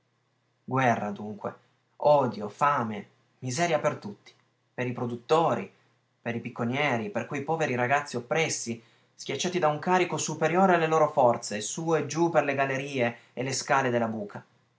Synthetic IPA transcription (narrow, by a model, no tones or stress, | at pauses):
ɡwɛrːad̪uŋkwḛ | ɔːd̪jofaːme | mizɛːɾjapert̪ut̪ːi̥ | peɾipɾod̪ut̪ːoːɾi | peɾipikːonjɛːɾiperkujpɔːveɾiɾaɡat̪sːiopːɾɛsːi | skʲjat͡ʃːaːt̪id̪auŋkaːɾikosupeɾjoːɾealːeloːɾofɔrt̪sesuːed͡ʒuperleɡalːeɾiːe | elːeskaːled̪elːabuːkʰa